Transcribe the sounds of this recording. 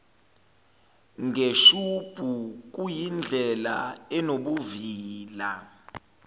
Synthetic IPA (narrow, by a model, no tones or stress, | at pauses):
ŋʱeʃub̥ʱuk̬ujind͡ɮʱɛla̰ɛnoɓuviːla